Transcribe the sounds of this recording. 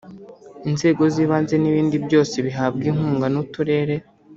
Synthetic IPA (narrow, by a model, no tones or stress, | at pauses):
inze̞ːɡo̞ziːβaːnze̞niβiːndibjo̞ːse̞βiɦaːb̚ɡiŋ̥uːŋɡanutuɾe̞ːɾe